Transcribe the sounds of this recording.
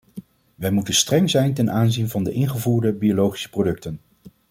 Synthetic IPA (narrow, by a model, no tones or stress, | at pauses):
ʋɛjmutənstrɛŋzɛjntɛnʔaːnzinvɑndəʔɪnχəvuːɹdəbiolowχi̥sə̥prodɵk̚tən